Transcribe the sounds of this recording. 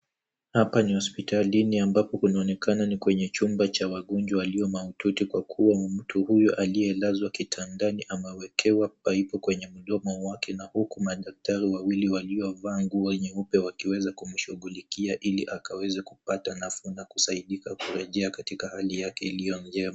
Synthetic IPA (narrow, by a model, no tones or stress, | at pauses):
hapanihɔspitaliniambapɔkunaɔnɛkʰananikwɛɲɛt͡ʃumbat͡ʃawaɠɔnd͡ʒwawaliɔmaututikwakʰuwam̩tʰuhujɔʔaliɛlazwakitʰandaniʔamɛwɛkʰɛwapaipɔkwɛɲɛmuɗɔmɔwakʰɛnahukumaɗak̚taɾiwawiliwaliɔvaːŋɡuaɲɛupɛwakiwɛzakum̩ʃuɠulikiaʔiliʔakawɛzakupatanafunakusaiɗikakuɾɛʄɛakatikahalijakɛilijɔnd͡ʒɛma